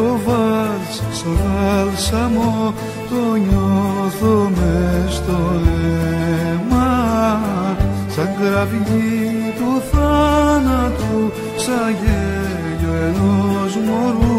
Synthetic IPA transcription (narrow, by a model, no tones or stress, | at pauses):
ovalssovalsamo | t̪oɲoθomest̪oe | ma | sɐŋɡɾaviɲit̪uθanat̪u | saʝe | ʎoenozmoɾu